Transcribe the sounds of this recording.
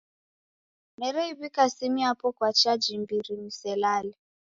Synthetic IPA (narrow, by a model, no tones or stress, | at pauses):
mɛɾɛiβikasimiapɔkwat͡ʃad͡ʒimbiɾimisɛlalɛ